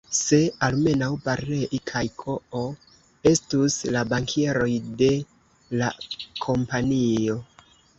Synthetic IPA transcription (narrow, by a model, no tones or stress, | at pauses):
se̞alme̞nawbaɾe̞ʔikʰajkʰo̞o | e̞stuslabaŋkʰeɾo̞jde̞ | lakʰo̞mpanio̞